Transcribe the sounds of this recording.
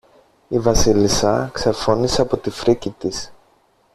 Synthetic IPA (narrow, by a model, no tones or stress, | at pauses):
ivɐsilisɐksefo̞nise̞ɐpo̞t̪ifɾicit̪is